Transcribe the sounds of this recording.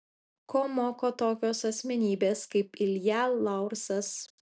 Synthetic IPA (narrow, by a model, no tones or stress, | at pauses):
kʰoːmoːkoːt̪oːkʲoːsɐsʲmʲɛnʲiːbʲeːskɐɪpɪlʲjælːɑˑʊɾsɐs